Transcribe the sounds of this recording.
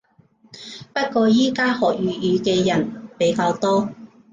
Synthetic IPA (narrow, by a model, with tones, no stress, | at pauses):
pɐ˥t̚kɔː˧jiː˥kaː˥hɔː˨˩k̚jyː˨˧jyː˨˧kɛː˧jɐ˨˩npe˨˧jkaː˧wt̪ɔː˥